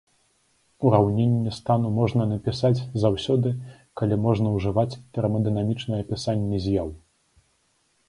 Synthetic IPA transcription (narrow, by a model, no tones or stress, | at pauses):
uɾawnʲenʲːɛst̪anumɔʐnɐnɐpʲisad͡zʲzawsʲɔd̪ɨ | kalʲimɔʐnɐwʐɨvat͡sʲt̪ɛɾɐmɐd̪ɨnamʲit͡ʂnɐjɐpʲisanʲːɛzʲjaw